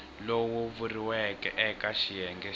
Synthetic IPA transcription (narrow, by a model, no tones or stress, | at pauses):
lowuβuriwɛkɛʔɛkaʃijɛŋɡɛ